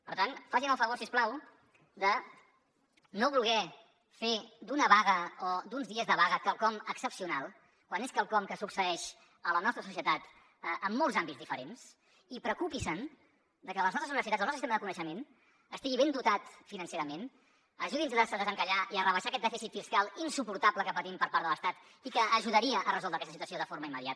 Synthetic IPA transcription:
pəɾt̪anfaʒinəlˠfəβoɾsiesplaw | d̪ə | noβulˠɣɛ | fed̪unəβaɣəɔd̪unzðiəzðəβ̞aɣəkəlˠkɔməksəpsiunalˠ | kwaneskəlˠkɔmkəsuksəɛʃ | ələnɔst̪ɾəsus̬iət̪at̪ | ʔəmːɔlˠzambitd͡zðifəɾens | ipɾəkupisən | d̪əkələznɔst̪əzuiβəsit̪atzəlˠnɔtɾsist̪eməðəkunəʃəmen | əst̪iɣiβend̪ut̪at̪finənseɾəmen | əʒuðinzəðarsəðəzəŋkəʎaiərəβəʃakɛt̪d̪ɛfisit̪fiskalˠinsupuɾt̪abləkəpət̪impəɾpaɾtðələst̪at̪ | ikəːʒuðəɾiəʔərəzɔlˠd̪ɾəkɛst̪sit̪uəsioðəfoɾməimːəðija̰t̪

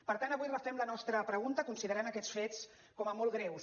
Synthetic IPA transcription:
pəɾt̪anəβujləfɛmlənɔst̪ɾəpɾəɣ̞unt̪əkunsiðəɾanəkɛt͡sfet͡s | kɔməmɔlˠɣɾɛws

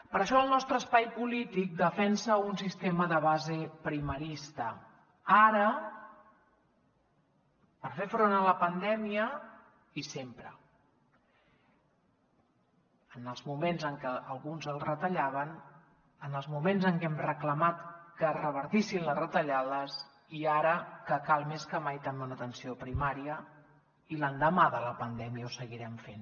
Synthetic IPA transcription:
pəɾəʃɔəlˠnɔst̪ɾəːspajpulit̪ik̚d̪əfɛnsəunsist̪eməðəβazepɾiməɾist̪ə | aɾə | pəɾfefɾonələpənd̪ɛmiə | isempɾə̰ | ənəlˠzmumenzəŋkəəlˠɣunzəlˠrət̪əʎaβ̞ən | ənəlˠzmumenzəŋkɛmrəkləmat̪kərəβ̞əɾt̪isinləzrət̪əʎaðəs | iaɾəkəkalˠmeskəmajt̪ameunət̪ənsiopɾimaɾiə | ilənd̪əmaðələpənd̪ɛmiəusəɣiɾɛmfen

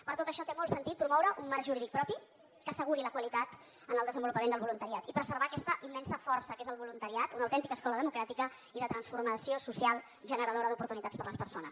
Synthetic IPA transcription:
pəɾt̪ot̪əʃɔt̪emɔlˠsənt̪it̪̚pɾumɔwɾəʔumːaɾrkʒuɾiðik̚pɾɔpi | kəsəɣuɾiləkwəlit̪at̪ | ənəlˠd̪əzəmbulupəmend̪əlβulunt̪əɾiat̪ipɾəzərβaːkɛst̪əʔimːɛnsəfɔrsəkezəlˠβulunt̪əɾiat̪unəwt̪ɛnt̪ikəskɔləðəmukɾat̪ikə | iðət̪ɾənsfurməsiosusialˠ | ʒənəɾəð̞oɾəðupuɾt̪unit̪at͡spəɾləspərsonə̰s

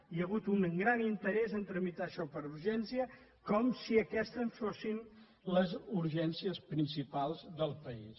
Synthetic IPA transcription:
ijəɣut̪uŋŋɡɾanint̪əɾɛzənt̪ɾəmit̪aʃɔpəɾuɾʒɛnsiə | kɔmsiəkɛst̪ənsfosin | ləzuɾʒɛnsiəspɾinsipalˠzðəlˠpəis

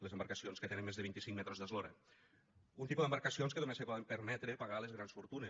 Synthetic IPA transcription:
lezəmbaɾkəsionskət̪enəmːezðəβint̪isiŋmɛt̪ɾozðəzloɾə | unt̪ipuðəmbaɾkəsionskəðomesepɔðempəɾmɛt̪ɾepaɣalezɣɾansfuɾt̪une

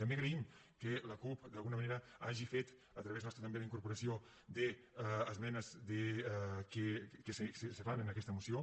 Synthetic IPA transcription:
t̪əmbeɐɣɾeim | keləkupd̪ɐlˠɣunɐmɐneɾəaʒifet̪ | ət̪ɾɐβeznɔst̪ɾət̪ɐmbeðiŋkuɾpuɾɐsio | d̪eːzmɛnəzðekekesessefanənəkɛst̪əmusio

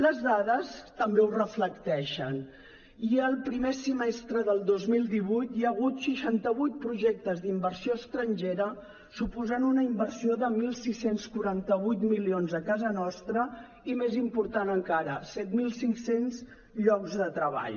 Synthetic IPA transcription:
ləzðaðəst̪əmbeurəfləkt̪ɛʃən | iəlˠpɾimesimest̪ɾəðəlˠd̪ozmilˠd̪iβujt̪jəɣ̞ut̪ʃiʃant̪əβujt̪̚pɾuʒek̚t̪əzðimbəɾsioəst̪ɾənʲʒeɾə | supuzanunəimbərsioðəmilˠsisenskuɾant̪əβujt̪milionzəkazənɔst̪ɾə | imezimpuɾt̪anəŋkaɾəsɛt̪milˠsiŋksenz | ʎɔkzðət̪ɾəβa̰ʎ

